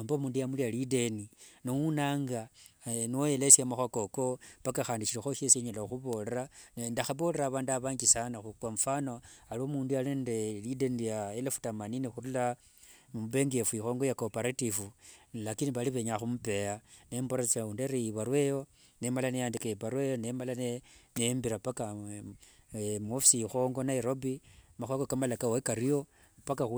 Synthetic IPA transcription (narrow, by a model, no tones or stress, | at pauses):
ambomuːndujamulijalide̞ninowunaːŋɡanojelesjamaxwako̞ko̞pakaxaːndit͡ʃiɾixoʃeseɲalaxuβo̞le̞ɾanendaxaβo̞le̞ɾaːβaːnduaβaːɲɡisanaxukwaɱfanoaliomuːndualendelide̞nijaelefu̥tamaninexuɾula | muβe̞ŋɡefuixo̞ːŋɡojakopeɾatifulakiniβaliβeɲaxumupe̞janemboɾat͡seundeɾeiβaɾwejo̞ | nemalanejaːndikeepaɾwejonemalanenembiɾapaka | mofisiixo̞ŋɡo̞naiɾo̞bimaxwakokamalakawoekaɾijo̞ | pakaxu